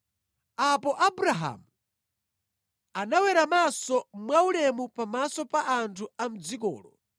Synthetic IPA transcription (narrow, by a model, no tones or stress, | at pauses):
apɔʔabuɾaɦa̰mu | anawɛɾamasɔmwaulɛmupamasɔpaʔantʰuam̩d͡zikɔ̰ːlɔ